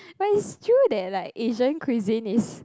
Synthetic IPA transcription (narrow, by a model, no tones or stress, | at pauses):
maistʰɹudɛt̚laɪkeʒə̃nkʰwizĩnis